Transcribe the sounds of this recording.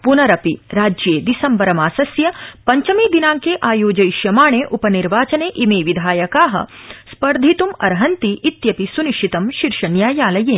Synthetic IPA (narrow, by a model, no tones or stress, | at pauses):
punɐɾɐpiɾaːd͡ʒjeːd̪isɐmbɐɾɐmaːsɐsjɐpɐɲt͡ʃɐmiːd̪inaːŋkeːʔaːjoːd͡ʒɐjʃjɐmaːɳeːʔupɐniɾʋaːt͡ʃɐneːʔimeːʋid̪ʱaːjɐkaːɦɐ̰spɐɾd̪ʱit̪umɐ̰ɾɦɐnt̪iʔit̪jɐpisuniʃʰit̪ɐmʃiɾʃɐnjaːjaːlɐjeːn